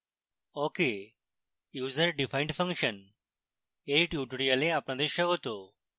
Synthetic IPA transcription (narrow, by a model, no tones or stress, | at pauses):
oke | juːzəɾɖifaiɳɖfə̃ŋkʃən | eʈjuːʈuɽijaleapɳ̃ad̪eʃəɦot̪o